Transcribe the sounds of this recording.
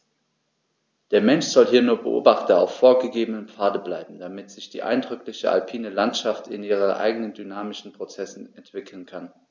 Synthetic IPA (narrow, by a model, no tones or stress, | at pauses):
d̥eːɐmɛnʃz̥ɔlɦiːɐnuːɐbə̰ʔo̰ːbaχtɐa̰ʊfːoːɐɡəɡeːbənəmpp͡faːɐdəblaɪbm̩damɪtz̥ɪçd̥ḭːʔa̰ɪndʁʏklɪçəa̰lpʰiːnəlantʃaftʰɪ̰nʔiːʁ̞ənʔa̰ɪɡənəndynaːmɪʃn̩pʁ̥ot͡sɛsn̩ɛntv̥ɪkʰl̩nkʰan